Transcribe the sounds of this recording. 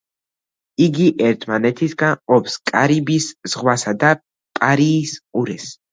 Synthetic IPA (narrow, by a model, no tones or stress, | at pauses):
iɡiʔɛɾt̪ʰmanɛt̪ʰisɡanɔpskʼaɾibisz̥ʁwasad̪a | pʼaɾiːsqʼuɾɛs